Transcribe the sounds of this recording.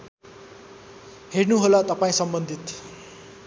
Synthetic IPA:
hernuɦolat̪ʌpaĩsʌmbʌnd̪ʱit̪

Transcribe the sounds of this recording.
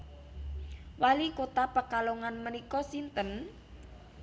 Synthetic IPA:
walikot̪apəkaloŋanmənikɔsint̪ən

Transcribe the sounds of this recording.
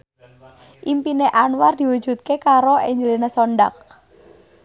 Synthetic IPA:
ʔimpineʔanward̪̥i̤wu̥d͡ʒ̥ṳt̪̚kekaɾoeɲd͡ʒəlinesɔɳɖa̰k̚

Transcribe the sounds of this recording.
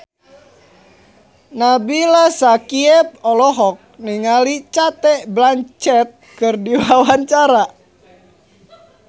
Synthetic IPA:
nabilasakiɛp̚ɔlɔɦɔk̚niŋalit͡ʃat̪ɛʔblaɲt͡ʃɛt̪̚kɨrdiwawaɲt͡ʃaɾa

